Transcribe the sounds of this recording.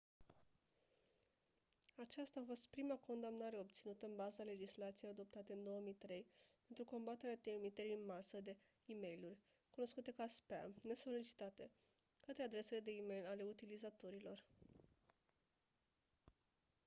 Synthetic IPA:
at͡ʃast̪aːfo̞st̪pɾimako̞nd̪amnaɾe̞o̞b̚t̪sinut̪əɨnbazale̞d͡ʒislat̪sijejad̪o̞p̚t̪at̪e̞ɨnd̪o̞oəmijt̪ɾe̞jpe̞nt̪ɾuko̞mbat̪e̞ɾeat̪ermit̪eɾiɨnmasəd̪e̞ | ime̞jlurʲ | kuno̞skut̪e̞kaspa̰ne̞so̞lit͡ʃi̥t̪at̪e̞ | kət̪ɾead̪ɾe̞se̞le̞d̪e̞ime̞jlale̞ut̪ilizat̪oɾilo̞r

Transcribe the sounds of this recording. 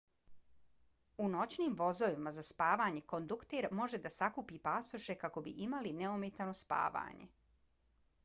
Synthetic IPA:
uno̞t͡ɕniːmʋo̞zoʋimazaspaːʋaɲe̞ko̞nd̪ukt̪eɾmo̞ʒe̞d̪asakupiːpasoʃe̞kako̞bḭʔimalineumet̪ano̞spa̰ːʋa̰ːɲḛ

